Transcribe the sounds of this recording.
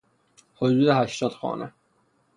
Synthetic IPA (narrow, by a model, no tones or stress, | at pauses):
hod̪uːd̪eɦæʃt̪ɒːd̪̥xɒ̰ːnʔe